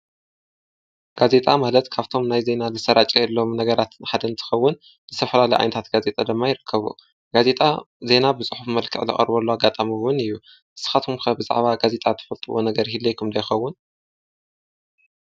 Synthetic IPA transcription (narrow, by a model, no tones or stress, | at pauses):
ɡ̥aze̞t̪ʼamalɐt̪kʰaβt̪ʰo̞mnajze̞nalɨsɐɾat͡ʃʼɐjɛlːo̞mnɐɡɐɾat̪ħad̪ɐnt̪ʰɨ̥xɐwːʊn | zɨt̪ʰɐfɐlalɐjʔa̰jnɐt̪ʰat̪ɡ̥aze̞t̪ʼad̪ɨmːajɪɾɨkʰːɐβṵ | ɡ̥aze̞t̪ʼa | ze̞nabɨsʼɨħufmɐlkʰɨ̰ʕlɨ̰χʼɐ̰ɾbolːoaɡːat̪ʼamiwʊnɨjːu | ʔɨsɨ̥xat̪ʰumkʰɐbɨza̰ʕβaɡaze̞t̪ʼat̪ʰɨ̥fɐlt̪ʰʼɨwonɐɡɐɾhilːejkʰumd̪ɐjxɐwːʊn